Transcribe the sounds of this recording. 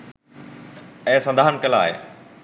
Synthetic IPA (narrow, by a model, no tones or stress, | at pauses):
ɛ̃ːsɐ̃nd̪ʱaːɦənkɐla̰ːɦḛː